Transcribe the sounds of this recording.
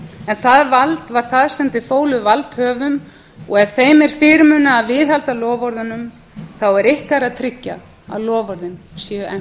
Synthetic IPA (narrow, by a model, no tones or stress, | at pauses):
ɛnθaðvalt̪vaɾ̥θaðsɛmt̪ɪfoːwlʏvalt̪hœːvʏm | ɔɣɛv̥θejmɛɾ̥fɪːɾmʏːnaːðvɪðhalt̪alɔːvɔɾðʏnʏm | θawɛɾɪhkaɾaðt̪ʰɾɪcːa̰ | a̰lɔːvɔɾðɪnsjɛʏɛ